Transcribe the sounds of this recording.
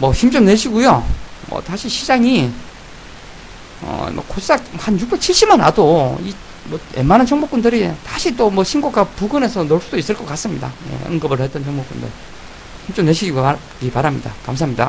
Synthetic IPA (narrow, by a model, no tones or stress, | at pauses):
mʌɕimt͡ɕ͈omneɕʰiɡujomʌ̰taɕʰiɕʰid͡ʑaŋi | ʌ̰mʌ̰koss͈akhanjuk̚p͈et͡ɕʰiɭɕ͈imana̰doi | mʌe̞̰manant͡ɕʰʌŋmok͈undɯɾitaɕʰit͈omwʌɕʰinɡoɡapuɡɯne̞sʰʌnoɭs͈udois͈ɯɭk͈ʌk͈as͈ɯmɲida̰je̞̰ɯ̰ŋɡɯbɯɭhe̞t͈̚ʌnt͡ɕʰʌŋmok͈undɯ̰ɭ | ɕimt͡ɕ͈omneɕʰiɡiɡo | kipaɾamɲida̰kams̬ʰamɲida̰